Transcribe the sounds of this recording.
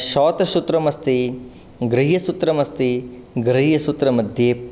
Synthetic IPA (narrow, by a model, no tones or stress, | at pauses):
ʃɔːt̪ɐʃut̪ɾɐmɐst̪i | ɡɾiɦjɐsut̪ɾɐmɐst̪i | ɡɾɐɦijɐsut̪ɾɐmɐd̪ʱjeː